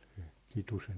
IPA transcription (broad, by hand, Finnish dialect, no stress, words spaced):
se̥ kitusen